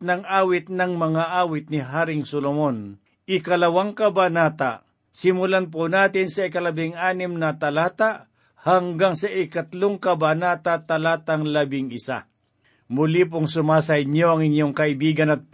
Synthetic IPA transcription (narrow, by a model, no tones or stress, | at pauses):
nɐŋʔaːwɪt̪̚nɐŋmɐŋaʔaːwɪt̪̚nɪɦaːɾɪŋsolomon | ʔɪkɐlɐwaŋkɐbanaːt̪a | sɪmʊlanp̬ʊnaːt̪ɪnsɐɪkɐlɐbɪŋʔaːnɪmnɐt̪ɐlaːt̪a | haŋɡaŋsɐʔɪkɐt̪loŋkɐbanaːt̪at̪ɐlaːt̪aŋlɐbɪŋɪsa̰ | mʊlip̬ʊŋsʊmaːs̬ɐɪɲjoɐŋɪɲjoŋkɐɪbiːɡɐnɐt̪̚p